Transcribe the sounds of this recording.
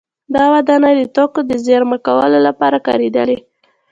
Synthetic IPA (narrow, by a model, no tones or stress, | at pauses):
d̪ɑwad̪ɑnad̪ət̪okod̪əzeɾmakawəlolapɑɾakɑ̰ɾed̪əle